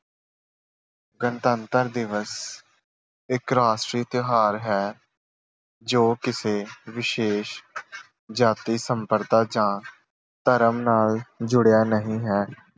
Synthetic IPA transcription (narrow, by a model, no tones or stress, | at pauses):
ɡənt̪ənt̪əɾd̪ɪʋəs | ɪkɾaːʃʈɾiːt̪ɪɦaːɾɦɛː | d͡ʒoːkɪseːʋɪʃeːʃ | d͡ʒaːt̪iːsəmpəɾt̪aːd͡ʒãː | t̪əɾəmnaːld͡ʒʊɽjaːnəɦĩːɦɛː